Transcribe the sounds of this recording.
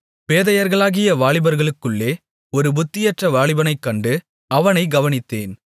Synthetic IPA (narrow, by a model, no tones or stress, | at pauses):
peːðɐjɐɾɣɐɭaːɣɪjɐʋaːɭɪbɐɾɣɐɭɯkːɯɭːeː | ɔɾɯbʊt̪ːɪjɐʈrɐʋaːɭɪbɐnɐɪkːɐɳɖɯ | ɐʋɐnɐɪɡɐʋɐnɪt̪ːeːn